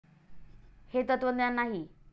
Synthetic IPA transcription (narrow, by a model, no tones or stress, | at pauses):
het̪ət̪ʋənd̪janːaɦi